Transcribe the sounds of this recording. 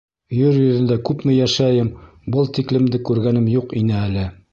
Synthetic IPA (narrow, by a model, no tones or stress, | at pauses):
jɵɾjɵ̆ðɘ̆nd̪ækʉpmɘjæʃæjɘm | bɤlˠt̪iklɘ̆md̪ɘkʉɾɡænɘmjuqin̪ɘælɘ